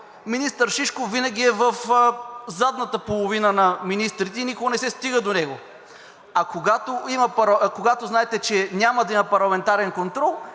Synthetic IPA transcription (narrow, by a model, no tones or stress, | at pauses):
minist̪əɾʃiʃkovinəɡ̟iɛvəf | zad̪nət̪əpolˠovinənɐminist̪ɾit̪ɛnikoɡnɛsɛst̪iɡəd̪onɛɡo | ɐkoɡat̪oimɐpɾkoɡat̪oznaɛt̪ɛt͡ʃɛnʲamɐd̪ɐimɐpɐɾlˠɐmɛnt̪aɾɛnkont̪ɾɔlˠ